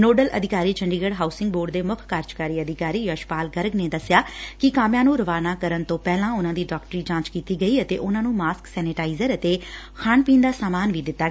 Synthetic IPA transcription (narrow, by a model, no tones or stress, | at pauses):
noːɖəlʔə̰d̪ɪkaːɾiːt͡ʃəɳɖiːɡəɽɦaːʊsɪŋɡ̚boːɖd̪eːmʊkʰkaːɾd͡ʒkaːɾiːəd̪ɪkaːɾiːjəʃpaːlɡəɾəɡneːd̪əsɪjaːkɪkaːmjãːnũːɾəʋaːnaːkəɾənt̪õːpɛːlãːʊnãːd̪iːɖaːkʈəɾiːd͡ʒãːt͡ʃkiːt̪iːɡəiːət̪ḛːʔʊnãːnũːmaːsksɛːnɪʈaːizəɾət̪eː | kʰaːɳpĩːnd̪aːsaːmaːnʋiːd̪ɪt̪ːaː